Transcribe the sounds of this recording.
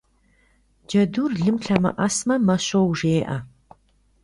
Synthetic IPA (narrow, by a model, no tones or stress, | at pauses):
d͡ʒɐduːrɮɨmɬʰɐmɐ̰ʔɐsmɐmɐɕowʐeːʔɐ